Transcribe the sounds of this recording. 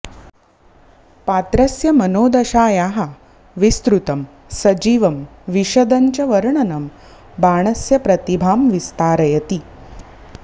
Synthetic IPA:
paːt̪ɾɐsjɐmɐnoːd̪ɐɕaːjaːɦa | ʋist̪ɾut̪ɐm | sɐd͡ʑiːʋɐmʋiʃɐd̪ɐɲt͡ɕɐʋɐɾɳɐnɐm | baːɳ̃ɐsjɐpɾɐt̪ibʱaːmʋist̪aːɾɐjɐt̪i

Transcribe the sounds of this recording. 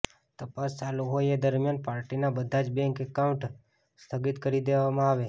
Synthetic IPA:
t̪əpast͡ʃaluɦojed̪əɾmijanpaɾʈinabəd̪ʱad͡ʒbɛ̃ŋkekaũɳʈ | st̪ʰəɡit̪kəɾid̪eʋamãaʋe

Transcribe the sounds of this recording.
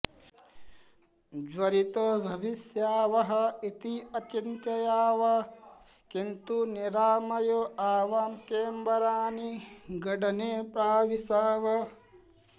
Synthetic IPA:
d͡ʒʋɐɾit̪obʱɐʋisjaːʋɐɦɐ̆it̪iɐt͡ʃint̪ɐjaːʋɐ | kint̪uniɾaːmɐjoaːʋaːmkeːmbɐɾaːniɡɐɖɐneːpɾaːʋisaːʋɐ

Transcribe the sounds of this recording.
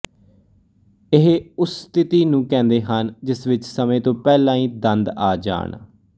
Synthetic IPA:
ɪɦeʊsst̪ɪt̪iːnũːkɛ̃ːnd̪eːɦənd͡ʒɪsʋɪt͡ʃsəmẽːt̪õːpɛːlãːĩːd̪ənd̪aːd͡ʒa̰ːɳ

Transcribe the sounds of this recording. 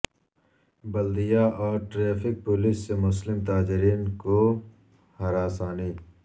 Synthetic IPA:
bɐld̪ijaʔɔːɾʈɾeːfɪk̚polɪsːemʊslɪmt̪aːd͡ʒɪɾiːnko | hɐɾaːsaːniː

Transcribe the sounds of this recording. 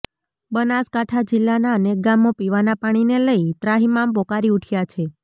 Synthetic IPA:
bənaskaʈʰad͡ʒɪlːanaəneɡamːopiʋanapaɽ̃ineləit̪ɾaɦimambokaɾiuʈʰjat͡ʃʰe

